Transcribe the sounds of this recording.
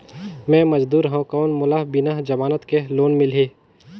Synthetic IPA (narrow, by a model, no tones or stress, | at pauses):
mɛ̃ːmɐd͡ʒd̪uːɾɦɛ̃kɔːnmʊlaɦbɪnaɦd͡ʒɐmaːnət̪keloːnmɪlɦeː